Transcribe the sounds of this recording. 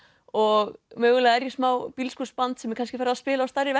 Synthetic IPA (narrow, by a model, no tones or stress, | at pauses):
ɔɣmʏːɣʏlaɛɾjɪ̥smaːwpilskuspant̪sɛmːɪkanscɪfaɾðaðspɪːlast̪ajɾɪvɛ